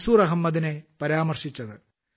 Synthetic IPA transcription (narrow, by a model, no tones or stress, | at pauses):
suːrɐɦɐmːɐðinepɐɾaːmɐrʂit͡ɕːɐðɨ